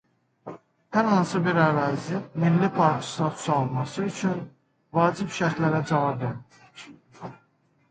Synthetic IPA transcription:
hæɾhɑnsɯbiɾævæzimilːipʰɑɾt̪ʰɯ̥st̪ɑt̪ʰu̥sɑlmɑsɯyt͡ʃʰyn | vɑːd͡ʒibʃæɾt̪læɾæd͡ʒɑvɑbe

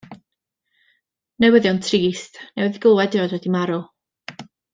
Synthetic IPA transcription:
nɛwəðjɔwntʰriːstnɛwɛðɡəlˠwɛdɪɔdwɛdimaɾʊ

